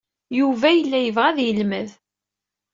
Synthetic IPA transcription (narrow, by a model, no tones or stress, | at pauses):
juvæjəlːæjəvʁæðjəlməð